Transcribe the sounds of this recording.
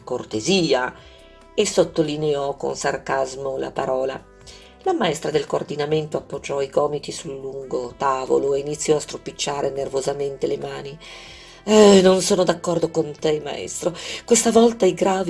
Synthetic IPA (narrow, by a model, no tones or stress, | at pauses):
kort̪eziːa | esot̪ːolineɔko̰nsarkazmola̰paɾɔːla̰ | lamaɛst̪ɾad̪elkoːrd̪inament̪oapːod͡ʒːɔiɡɔːmit̪isulːuŋɡot̪aːvo̰loeinit̪sːjɔast̪ɾopit͡ʃːaːɾʔenervozament̪elemaːni | ɛnonsoːnod̪akːɔrd̪okont̪ema̰ɛ̰st̪ɾokwest̪avɔlt̪aiɡɾaːvi